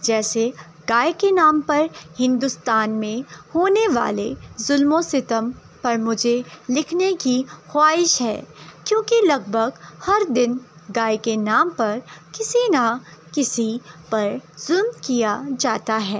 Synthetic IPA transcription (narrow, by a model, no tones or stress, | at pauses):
d͡ʒɛːse | ɡaːekenaːmpɐɾhɪ̃nd̪ʊst̪aːnmẽhoːneʋa̰ːlezʊlmõsɪt̪əm | pɐɾmʊd͡ʒʱelɪkʰnekixwaːɪʃɦɛ̰ːkjõːkilɐɡ̚bʱəɡhɐɾd̪ɪn | ɡaːekenaːmpɐɾkɪsinakɪsipɐɾz̥ʊlmkijad͡ʒaːt̪aɦɛː